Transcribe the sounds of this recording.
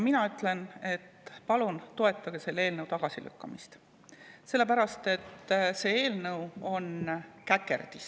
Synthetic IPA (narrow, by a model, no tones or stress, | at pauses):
minɑyt̪ːˑle̞ne̞t̪pɑlunt̪o̞e̞t̪ːˑɑɡ̥e̞se̞lːe̞ːlnɤwt̪ɑɡ̥ɑsilʔy̰kːɑmist̪ | se̞lːe̞pæɾɑst̪e̞t̪ːse̞ːe̞ːlnɤwo̞nkækːˑe̞̰rd̪̥is